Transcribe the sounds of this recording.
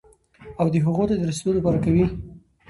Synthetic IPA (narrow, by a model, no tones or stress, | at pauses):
awd̪əɦaɣot̪ad̪əɾased̪oləpɑɾakawi